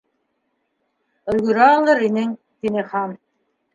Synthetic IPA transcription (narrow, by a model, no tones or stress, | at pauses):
ɵ̆lɡɵ̆ɾɑlˠɤɾinɘŋ | t̪inɘχɑn